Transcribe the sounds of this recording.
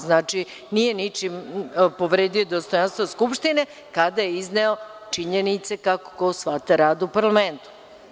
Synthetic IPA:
znaːt͡ʂi | nije̞nit͡ʃimpo̞ʋɾeːd̪iod̪ost̪o̞janst̪ʋoskupʃt̪ine̞ | kad̪ajeizneot͡ʂiɲenit̪se̞kako̥kosʋat̪aɾaːd̪upaɾlˠame̞nt̪u̥

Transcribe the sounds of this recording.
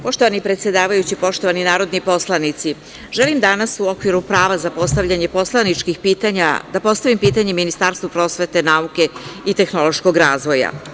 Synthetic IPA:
po̞ʃt̪o̞ʋanipɾe̞t̪sjed̪aːʋajut͡ɕipo̞ʃt̪o̞ʋaninaːɾo̞d̪nipo̞slˠanit̪si | ʒelimd̪anasuo̞kʋiɾupɾaːʋazapo̞st̪aʋʎaɲe̞po̞slˠanit͡ʂkixpiːt̪aɲa̰d̪apo̞st̪aʋimpiːt̪aɲeminist̪aːɾst̪ʋopɾo̞ːsʋe̞t̪e̞nauke̞it̪e̞xno̞lo̞ʃko̞ɡɾaːzʋo̞ja̰

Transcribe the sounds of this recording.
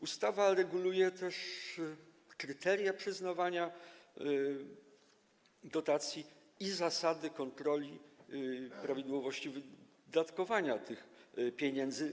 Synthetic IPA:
ust̪avaɾɛɡulujɛt̪ɛʂ | kɾɘt̪ɛɾjapʂɘznavaɲa | d̪ɔt̪at̪sʲji | izasad̪ɘkɔnt̪ɾɔlʲi | pɾavʲid̪wɔvɔɕt͡ɕivɘ | d̪at̪kɔvaɲat̪ɘxpʲjeɲɛnd̪zɘ

